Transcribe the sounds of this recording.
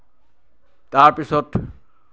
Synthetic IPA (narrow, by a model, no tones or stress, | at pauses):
taɹpisɔt